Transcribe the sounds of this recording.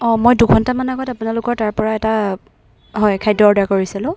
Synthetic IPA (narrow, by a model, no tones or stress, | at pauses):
ɔ̃mojduɡʰʱɔntamanaɡɔtapʊnalʊkɔɹtaɹpɔɹaɛta | ɦɔjkʰajdɔɹdakoɹisilʊ̃